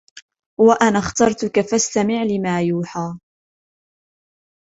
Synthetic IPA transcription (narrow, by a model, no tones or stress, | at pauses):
waʔanaxt̪ɑɾˤt̪ʊkafast̪amɪʕlɪmaːjuːħaː